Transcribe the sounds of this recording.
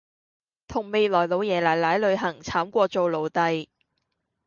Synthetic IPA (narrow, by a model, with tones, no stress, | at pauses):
t̪ʰʊ˨˩ŋme˨˧jlɔː˨˩jlo˨˧wjɛː˨laː˨˩jlaː˨˥jlɵ˨˧ɥɦɐ˨˩ŋt͡sʰaː˨˥mkʷɔː˧t͡so˨˧wlo˨˧wt̪ɐ˨˧j